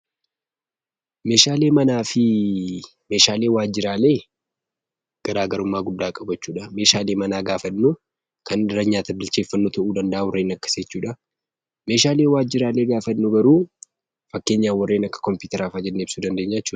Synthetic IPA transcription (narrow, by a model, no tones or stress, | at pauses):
me̞ːʃaːle̞ːmɐnaːfɪ | me̞ːʃaːleːwaːd͡ʒɪɾaːle̞ː | ɡ̥ɐɾaːɡɐɾʊmːaːɡʊd̪ːaːkʼɐbɐt͡ʃːuːᶑɐme̞ːʃaːleːmɐnaːɡaːfɐnːu | kɐnɪrːɐɲaːt̪ɐbɪlt͡ʃe̞ːfːɐnːoːt̪ʰɐʔuːd̪ɐnd̪ɐʔaːwɔrːe̞ːnɐkːɐ̥seːt͡ʃːuːᶑɐ | me̞ːʃaːle̞ːwaːd͡ʒːɪɾaːle̞ːɡaːfɐnːʊɡɐɾuː | fɐkːe̞ːɲːaːwɐrːeːnɐkːɐ̥kɔmpjuːt̪ɐɾaːfɐd͡ʒɛnːeːbsuːd̪ɐnd̪e̞ːɲːat͡ʃːuːᶑɐ